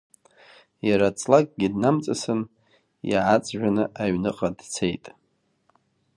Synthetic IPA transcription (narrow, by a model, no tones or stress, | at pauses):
jaɾat͡sʼlakʼɡʲidnamt͡sʼasɨn | jaʕat͡sʼʒᶣanɨʔaɥnɨqʼadt͡sʰe̞jtʼ